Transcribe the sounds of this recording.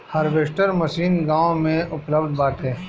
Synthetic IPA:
hɐɾʋeːsʈəɾmɐsiːnɡaːõmẽʔʊpləbd̪̚baːt̪ɦɛ̃ː

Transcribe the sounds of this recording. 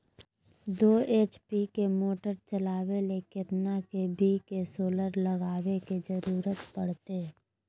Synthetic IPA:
d̪oːeːt͡ʃpikemoːʈəɾt͡ʃəlaːwelekɪt̪nakebikesoːləɾləɡaːwekid͡ʒəɾuːɾət̪pəɽ̤t̪e

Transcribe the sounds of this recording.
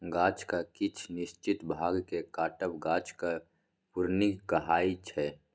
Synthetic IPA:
ɡãːt͡ʃkakɪt͡ʃʰnɪʃt͡ʃɪt̪bʱaːɡkekaːʈəpɡãːt͡ʃka | pʊɾnikəɦaːit͡ʃʰɛː

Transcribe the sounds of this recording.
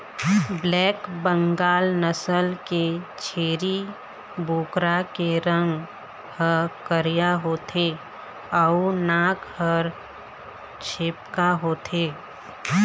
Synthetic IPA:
blɛːkbə̃ŋɡaːlnəsəlket͡ʃʰeːɾi | buːkɾakeɾə̃ŋɡ | həkəɾijaɦoːt̪ʰe | aunaːkhəɾ | t͡ʃʰeːpkaɦoːt̪ʰeː

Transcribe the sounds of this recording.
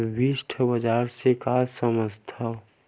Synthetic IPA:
biʃʈʰəbəd͡ʒaːɾsekaːsəməst̪ʰa

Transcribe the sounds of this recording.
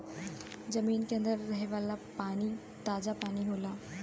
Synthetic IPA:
zɐmiːnkeə̃nd̪əɾːɐɦeʋaːlapaːni | t̪aːd͡ʒapaːniɦoːlaː

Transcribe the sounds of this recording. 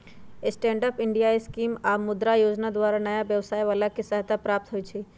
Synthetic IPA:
esʈẽːɳɖəpɪɳɖijaeskiːmamʊd̪ɾajoːd͡ʒnad̪waːɾanəjaʋjəʋsaːjʋaːlakisaɦt̪apɾaːp̚t̪ɦoit͡ʃʰi

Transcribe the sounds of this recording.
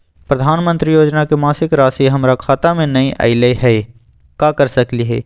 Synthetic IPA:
pɾɐd̪ʱaːnmə̃nt̪ɾijoːd͡ʒnakemaːsɪkɾaːsiɦɐmɾakʰaːt̪amẽnɐiʔɐ̰ɪləɦɛ | kaːkɐɾsɐkliɦɛ̰ː

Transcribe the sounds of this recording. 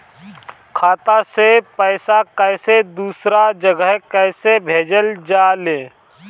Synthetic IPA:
kʰaːt̪asepɛːsakɛɪsed̪uːsɾad͡ʒəɡəɦkɛːsebʱeːd͡ʒəld͡ʒaːleː

